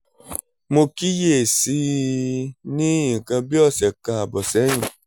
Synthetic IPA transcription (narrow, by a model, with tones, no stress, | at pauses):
mo˧ki˦je˦˨si˧˦ | nĩ˦ĩ˨kã˧bi˦ɔ˦˨sɛ˨kã˧a˨bɔ˨sɛ˨˦j̃ĩ˨